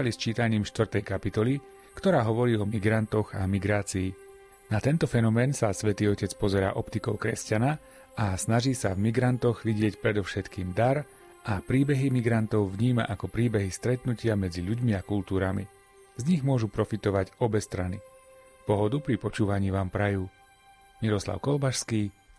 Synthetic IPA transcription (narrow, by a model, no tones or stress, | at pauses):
alist͡ʃiːt̪aɲiːmʃt̪ʋrt̪ɛjkapit̪ɔli | kt̪ɔɾaːɦɔʋɔɾiːɔmiɡɾant̪ɔɣamiɡɾaːt͡siː | nat̪ɛnt̪ɔfɛnɔmɛːnsasʋɛt̪iːɔcɛt͡spɔzɛɾa̰ːʔɔpt̪ikɔʊkɾɛscana | asnaʒiːsavmiɡɾant̪ɔɣʋiɟɪɛcpɾɛd̪ɔʊʃɛt̪kiːmd̪aɾ | ʔapɾiːbɛɦimiɡɾant̪ɔʊvɲiːma̰ʔakɔpɾiːbɛɦist̪ɾɛt̪nucɪamɛd͡ziʎuɟmiakult̪uːɾamḭ | zɲiɣmʊɔʒupɾɔfit̪ɔʋaɟɔbɛst̪ɾani | pɔɦɔd̪upɾipɔt͡ʃuːʋaɲiːʋaːmpɾajuː | miɾɔsla̰ʊkɔlbaʃskiː